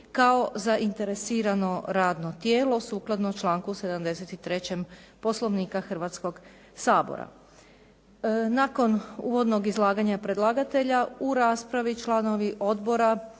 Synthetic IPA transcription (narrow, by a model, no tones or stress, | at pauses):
kao̞zaʔint̪e̞ɾesiːɾano̞ɾaːd̪no̞t̪jeːlo̞suːklˠad̪not͡ʃlˠaːŋkuse̞d̪amd̪e̞set̪it̪ɾe̞t͡ɕempo̞slˠo̞ʋniːkaxr̩ʋat̪sko̞ɡ | saːbo̰ɾa̰ | naːko̞nṵːʋo̞d̪no̞ɡizlˠaːɡaɲapɾe̞d̪lˠaːɡat̪e̞ʎauɾaːspɾaʋit͡ʃlˠaːno̞ʋiʔo̞d̪bo̞ɾa